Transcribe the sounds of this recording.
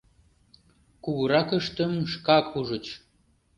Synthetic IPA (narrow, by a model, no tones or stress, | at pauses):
kuɣəɾɑkəʃt̪ə̆mʃkɑkʰuʒə̆t͡ɕ